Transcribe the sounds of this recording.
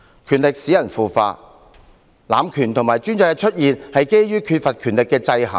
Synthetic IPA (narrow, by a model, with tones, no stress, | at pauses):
kʰyː˨˩nlɪ˨k̚siː˨˥jɐ˨˩nfuː˨fa̰ː˧t̚ | laː˨˧mkʰyː˨˩nt̪ʰʊ˨˩ŋmaː˨˩jt͡ʃyː˥nt͡sa˧kɛ˧t͡ʃʰɵ˥t̚jiː˨nhɐ˨jke˥jɥyː˥kʰyː˧t̚fɐ˨t̚kʰyː˨˩nlɪ˨kːɛː˧t͡sɐ˧jɦɐ̰˨˩ŋ